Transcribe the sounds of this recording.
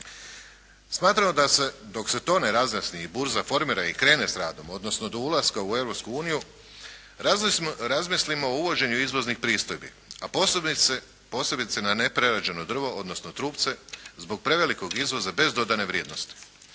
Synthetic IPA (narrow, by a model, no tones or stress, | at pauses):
smaːt̪ɾamod̪ased̪o̞kse̞t̪o̞ːneɾazmasniibuɾzafo̞ɾmiːɾaikɾe̞ːne̞sɾaːd̪o̞mo̞d̪nosno̞d̪o̞ulˠaskaue̞ʋɾopskuuːniju | ɾazmislimo̞ːuʋo̞d͡ʑe̞ɲuizʋo̞znixpɾiːst̪o̞jbḭ | ap | po̞ːse̞bit̪senanepɾeɾad͡ʑe̞no̞d̪r̩ʋo̞ʔod̪no̞sno̞t̪ɾuːpt̪se̞zbo̞ɡ̚pɾe̞ʋe̞liko̞ɡizʋo̞zabe̞zd̪o̞d̪ane̞ʋɾjeːd̪no̞st̪i̥